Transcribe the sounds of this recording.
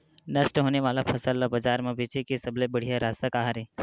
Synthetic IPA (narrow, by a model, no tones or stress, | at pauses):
nəsʈɦoːneʋaːlapʰɐsəlːabəd͡ʒaːɾmẽbʱit͡ʃʰekisəblebəɽ̤ijaɾaːsakaːɦɾe